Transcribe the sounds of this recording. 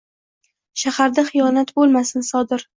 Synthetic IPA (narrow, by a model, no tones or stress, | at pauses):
ʃahaɾd̪aχɪjɒnat̪bolˠmasɪnsɒd̪ɪɾ